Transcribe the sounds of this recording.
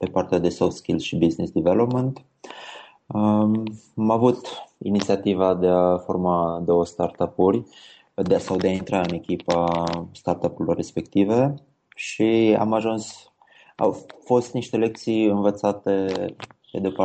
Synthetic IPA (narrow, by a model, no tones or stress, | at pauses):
pe̞part̪ead̪e̞soft̪skʲilʃibiznisd̪ivelo̞pmənt̪ | ə | amavut̪ḭnit̪siat̪ivad̪e̞aformad̪o̞wəst̪art̪apuɾʲ | d̪sawd̪eaint̪ɾaɨne̞kʲipast̪art̪apulorːespe̞kt̪ive | ʃia̰maʒuns | a̰wfo̞st̪niʃt̪ele̞k̚t̪sijɨnvət̪sat̪e̞ped̪epa